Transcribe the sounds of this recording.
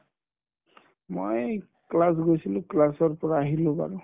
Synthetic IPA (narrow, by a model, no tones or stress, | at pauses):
moj | klasɡojsilʊ̃klasɔɹpɔɹaːɦilʊ̃pa̰ɹʊ̃